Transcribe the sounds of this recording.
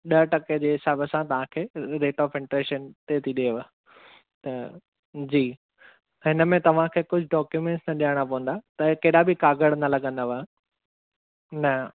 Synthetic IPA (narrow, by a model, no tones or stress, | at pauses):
ɗɐʈɐked͡ʑeːɦɪsaːbəsãt̪ɐʋ̤ãkʰeːɾeːʈɔːfɪ̃ɳʈɾeːʃənt̪eːt̪ʰiɗeʋə | t̪ɐ | d͡ʑiː | ɦɪnəmẽt̪ɐʋ̤ãkʰeːkʊd͡ʑʱʊɖɔːkjumẽɳʈsnɐɗijəɽ̃ap̬ɐʋə̃nd̪at̪ɐkɐɗabɪkaːɡəɽnɐlɐɠə̃nd̪aʋã | nɐ